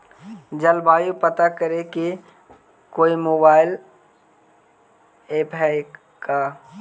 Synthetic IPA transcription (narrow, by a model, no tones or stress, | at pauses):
d͡ʒəlbaːjupət̪akəɾeki | koːimoːbaːɪl | eːpɦɛ | ka